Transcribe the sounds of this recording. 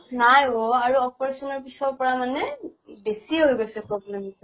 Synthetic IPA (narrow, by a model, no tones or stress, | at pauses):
najoaɹuɔpɔɹesɔnɔɹpisɔpɔɹamanɛbesieɦojɡojsɛpɹɔblɛmt